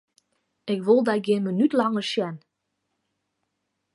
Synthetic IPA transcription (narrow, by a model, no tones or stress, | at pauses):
ɪkʋolˠdaɡɪnmənytlɑŋərʃjɛn